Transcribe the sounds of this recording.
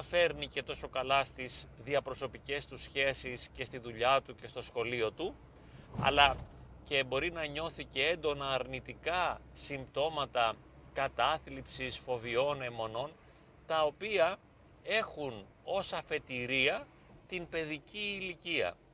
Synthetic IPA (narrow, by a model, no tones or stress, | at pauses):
ɐfe̞ɾnice̞t̪o̞so̞kɐlɐst̪izðiɐpɾo̞so̞pice̞st̪usçe̞sisce̞st̪iðuʎɐt̪uce̞st̪o̞sxo̞lio̞t̪u | ɐ̰lɐ | ce̞bo̞ɾinɐɲo̞θice̞end̪o̞nɐːɾnit̪ikɐ | simbt̪o̞mɐt̪ɐ | kɐt̪ɐθlipsisfo̞vio̞ne̞mo̞no̞n | t̪ɐo̞piɐ | e̞xun | o̞sɐfe̞t̪iɾiɐ | t̪inpe̞ðiciːliciɐ̰